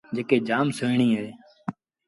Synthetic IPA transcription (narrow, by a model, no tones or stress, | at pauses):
d͡ʒeːkeːd͡ʒaːmsoiɳĩːɦeː